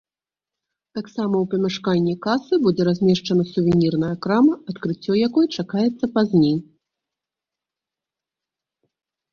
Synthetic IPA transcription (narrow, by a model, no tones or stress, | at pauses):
t̪aksamɐwpɐmʲɛʂkanʲːikasɨbud͡zʲɛɾazʲmʲɛʂt͡ʂɐnɐsuvʲɛnʲirnɐjɐkɾamɐɐt̪kɾɨt͡sʲːɔjakɔjɛt͡ʂakajɛt̪sːɐpazʲnʲej